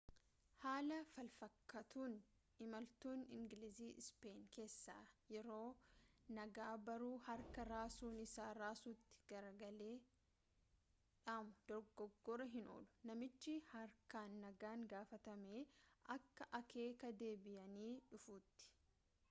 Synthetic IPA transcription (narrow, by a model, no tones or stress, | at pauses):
haːlɐfɐlfɐkːɐt̪uːn | ɪmɐlt̪uːnɪ̰ŋɡɪlɪziːʔɪspe̞ːnke̞ːsːa̰ːjɛɾo̞ːnɐɡaːbɐɾuːhɐɾkɐɾaːsuːnɪsaːɾaːsuːt̪ːɪ̥ɡ̥ɐɾɐɡɐle̞ː | ᶑaːmʊd̪̥ɔɾɡɔɡːɔɾɐɦɪno̰ːlʊ̥nɐmɪt͡ʃːɪhɐɾkaːnːɐɡaːŋɡaːfɐt̪ɐmeːʔɐkːɐʔɐke̞ːkɐd̪e̞ːbɪjɐniːᶑʊfuːt̪ːɪ̥